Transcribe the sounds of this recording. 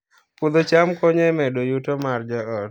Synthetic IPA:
pud̪ot͡ʃamkɔɲɛmɛdojutomard͡ʒaɔt

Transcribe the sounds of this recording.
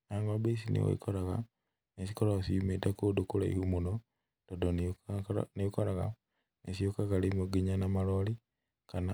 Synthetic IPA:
naŋɡabesinḭwa̰ḭkoɾaɣa | nesi̥koɾaasijumetakudukula̰ḭhumuno | todon | nejukoɾaɣa̰ | nesiukakalimuɡiɲanamaloli | kana

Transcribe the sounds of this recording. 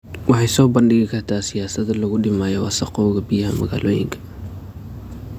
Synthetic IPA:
wɑħɑjsɔːbɐnɖɪɣɪkʰɐrt̪ʰaːsɪjaːsɐðɐlɐɣʊɖɪmaːjɔwɑsɐqɔːɣɐbɪjɐhɐmɐ̰ɣa̰ːlʔɔːjɪ̰ŋkʰɐ̥

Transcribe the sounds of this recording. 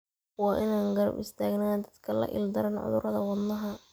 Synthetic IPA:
wɑːʔɪnaːŋɡɐɾɐ̰bɪ̰st̪ʰaːɡnaːnd̪ɐd̪kʰɐlɐ̰ʔɪ̰ld̪ɐɾɐnʕʊ̰ðʊɾɐðɐwɑd̪nːɐɦɐ

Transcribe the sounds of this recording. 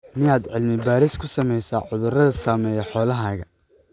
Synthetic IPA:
mɪaːd̪ʕɪlmɪbaːɾɪskʰʊsɐmɛjsaːʕʊðʊrɐðɐsaːmɛːjɛħɔːlɐɦaːɣɐ

